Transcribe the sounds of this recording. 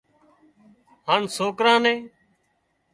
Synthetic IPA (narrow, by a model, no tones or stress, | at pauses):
haːɳsoːkɾãːnẽː